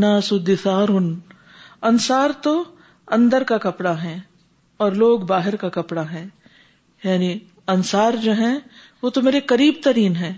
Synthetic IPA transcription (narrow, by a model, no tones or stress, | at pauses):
naːsʊd̪ɪsaːɾʊn | ɐnsaːɾt̪o | ɐ̃nd̪əɾkakɐpɽaɦɛ̃ː | ɔːɾloːɡbaːɦɪɾkakɐpɽaɦɛ̃ː | jaːni | ɐnsaːɾd͡ʒoːɦɛ̃ | ʋoːt̪omeːɾekɐɾiːbt̪ɐɾiːnɦɛ̃ː